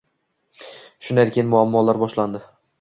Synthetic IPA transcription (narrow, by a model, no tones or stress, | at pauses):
ʃʊnajɾkʲʰeɪnmʊamːɒlaɾbɒʃland̪ɪ